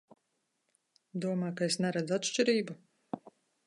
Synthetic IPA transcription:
d̪uɔmajkaesnɛɾad̪zat̪ʃt͡ʃiɾiːbu

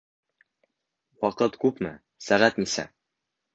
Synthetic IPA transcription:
wɒqɤt̪kʉpmɘ̰ | sæʁæt̪misæ̰

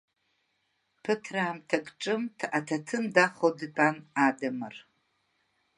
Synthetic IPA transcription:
pʰɨtʰraːmtʰakʼʈ͡ʂʼɨmtʰʔatʰatʰɨmdaχodpʼanadamɨr

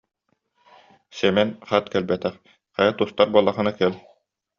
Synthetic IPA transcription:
sɛmɛnχat̪kɛlbɛt̪ɛχ | χɑjat̪ust̪aɾbuɔlˠːaχɯ̆nakɛl

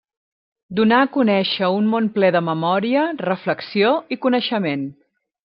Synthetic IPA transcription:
d̪unaəkunɛʃəunmonplɛðəməmɔɾiərəfləksioikunəʃəmen

